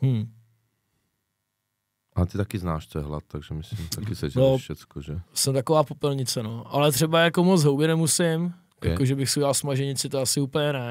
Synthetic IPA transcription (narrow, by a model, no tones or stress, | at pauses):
hm̩ | ʔalɛt̪it̪akɪznaːʃt͡sɔjɛ̰ɦla̰t̪t̪ːaɡʒɛmɪsimt̪akɪsɛd͡ʒnofʃɛt͡skɔʒɛsɛmt̪akovaːpopɛlɲɪt͡sɛnoʔalɛt̪r̝̥ɛbajakomod͡zɦowbjɛnɛmusɪm | jakoʒɛbɪxsujalsmaʒɛɲɪt͡sɪt̪oasɪuːpəɲɛnɛ